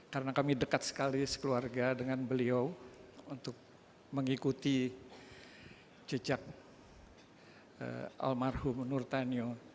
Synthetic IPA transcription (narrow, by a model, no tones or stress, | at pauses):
kaɾənakamidəkat̪sə̥kalisə̥kəluarɡadəŋanbəliawunt̪ʊk̚ | məŋikut̪i | t͡ʃəd͡ʒak̚ | ə̰ʔa̰lmarhʊmnurt̪anio